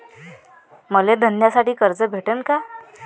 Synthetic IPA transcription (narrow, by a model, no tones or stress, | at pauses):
məled̪ʱənjasaʈiːkəɾd͡zəbʱeʈənka